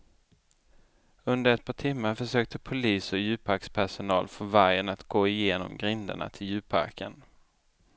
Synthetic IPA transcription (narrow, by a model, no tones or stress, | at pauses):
ɵnd̪əɾɛt̪̚pʰɑːʈʰɪmːaɾfœʂøːk̚t̪ʰəpʰʊliːsɔjʉ̟ːpʰaɾkspʰæʂʊnɑ̰ːlfɔvaɾjənat̪ɡoːɪjeːnɔ̰mɡɾɪnd̪ə̰ɳa̰t̪ʰɪljʉ̟ːpʰa̰ɾkən